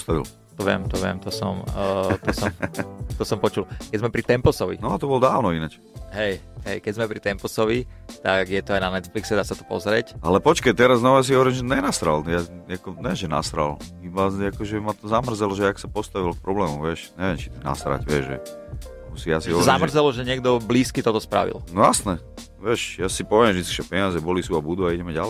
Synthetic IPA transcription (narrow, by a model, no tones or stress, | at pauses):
st̪aʋḭl | t̪ɔʋɪɛ̰mt̪ɔʋɪɛ̰mt̪ɔsɔmt̪ɔsɔmt̪ɔsɔmpɔt͡ʃulkɛɟzmɛpɾit̪ɛmpɔsɔʋḭnɔat̪ɔbɔlɔd̪aːʊnɔinat͡ʃ | ɦɛj | ɦɛjkɛzmɛpɾit̪ɛmpɔsɔʋi | t̪aɡjɛt̪ɔajnanɛt̪fliksɛd̪aːsat̪ɔ̥pɔ̰zɾɪɛcalɛpɔt͡ʃkajt̪ɛɾaznaɔjas̬iɦɔʋɔɾimʒɛɲɛnast̪ɾaljaakɔɲɛʒɛna̰st̪ɾa̰libaakɔʒɛmat̪ɔzamr̩zɛlɔʒɛaksapɔst̪aʋilkpɾɔblɛːmuʋɪɛʃɲɛʋjɛmt͡ʃi̥t̪na̰st̪ɾa̰cʋɪɛʒʒɛ̰ | usijasiɦɔʋɔɾziaʒmr̩zɛlɔʒɛɲɪɛɡ̚d̪ɔbliːskit̪ɔt̪ɔspɾa̰ʋḭlnɔjasnɛ | ʋɛʃjasipɔʋɛmʒd̪it͡skiʒɛpɛɲɪazɛbɔlisuabud̪uaiɟɛmɛɟalɛ